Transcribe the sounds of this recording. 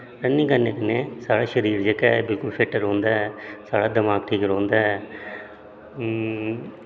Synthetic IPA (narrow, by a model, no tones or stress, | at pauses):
ɾənːĩːkənːeːkənẽːsaːɽaːʃəɾiːɾd͡ʒəkɛːbɪlkʊlpʰɪʈːəɾɦõːnd̪aːɛsaːɽaːd̪əmaːk̚ʈʰiːkəɾõːnd̪aːɛ